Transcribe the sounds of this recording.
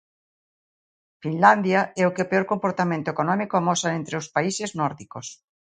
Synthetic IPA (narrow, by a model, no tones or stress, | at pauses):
finland̪jaɛokeopeoɾkompoɾt̪amẽnt̪oekonɔmikoamɔsaent̪ɾeospaiseznɔɾðikos